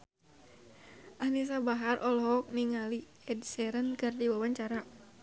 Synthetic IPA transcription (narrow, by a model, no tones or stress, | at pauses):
ʔahnis̬abaɦarʔɔlɦɔk̚niŋali | ɛdsɛɾənkɨrdiwawaɲt͡ʃaɾa